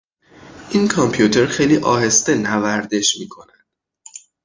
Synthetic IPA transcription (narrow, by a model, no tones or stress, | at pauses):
ʔinkʰɒmpʰjut̪ʰe̞ɾxejliːʔɒ̰ːɦe̞st̪e̞nævæɾd̪e̞ʃmiːkʰo̞nænd̪̥